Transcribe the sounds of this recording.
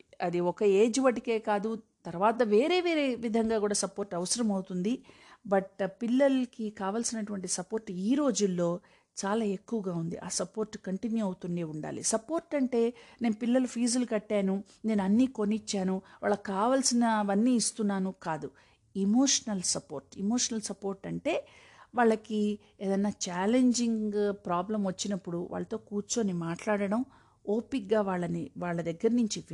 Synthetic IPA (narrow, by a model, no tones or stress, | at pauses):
ɐd̪iɔkɐe̞ːd͡ʒʋɐʈike̞ːkaːd̪ut̪ɐɾʋaːt̪̬ɐʋe̞ːɾe̞ːʋeːɾeʋid̪ʱɐŋɡaːkuːɽaːsɐpo̞ːɾʈːɐʋɐsɐɾɐmɐwt̪und̪i | bɐʈpilːɐlɐkikaːʋaːlsinɐʈuʋɐɳʈisɐpoːɾʈiːɾo̞ːd͡ʒulːo̞ː | t͡ʃaːlaːe̞kːuʋɐɡaːund̪ḭʔaːsɐpo̞ːɾʈːkɐɳʈinjuɐwt̪uɳɖeːuɳɖa̰ːlḭsɐpoːɾʈɐɳʈe̞ːne̞ːnupilːɐlupʰiːzɐlukɐʈːaːnu | ne̞ːnuɐnːiːkonit͡ʃːaːnuʋa̰ːɭːɐkaːʋaːlsinɐʋɐnːiːst̪unːaːnukaːd̪u | imo̞ːʂɐnɐlsɐpo̞ːɾʈimoːʂɐnɐlsɐpo̞ːɾʈɐɳʈe̞ː | ʋaːɭːɐki | eːd̪ɐnːaːt͡ʃaːleɲd͡ʒiŋɡpɾaːblɐmʋɐt͡ʃːinɐpːuɽuʋa̰ːɭːɐt̪o̞ːkuːɾt͡ʃuɐnimaːʈlaːɽɐɽɐm | oːpikɡaːʋaːɭːɐniʋaːɭːɐd̪ɐɡːɐɾɐnuɲt͡ʃii